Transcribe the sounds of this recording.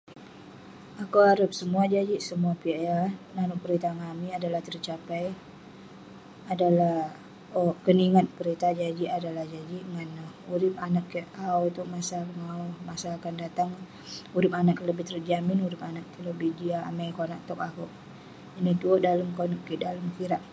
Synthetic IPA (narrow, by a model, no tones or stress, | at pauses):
akuaɾəp̚səmuad͡ʒad͡ʒiʔsəmuapiɛnanʊʔpəɾit̪aŋamiadalaht̪ərt͡ʃapaj | adalah | əkəniŋat̪̚pəɾit̪ad͡ʒad͡ʒiʔadalahd͡ʒad͡ʒiʔŋanuɾɪpanakːəʔawit̪uʔmasakəŋaʊmasaːkandat̪aŋ | uɾɪpanakləbɪht̪ərd͡ʒamɪnuɾɪpanak̚t̪ələbihd͡ʒia̰ːmajkonaʔ̚t̪ɔkakuʔ | nit̪uoʔdaləmkonakːiʔdaləmkiɾaʔ̚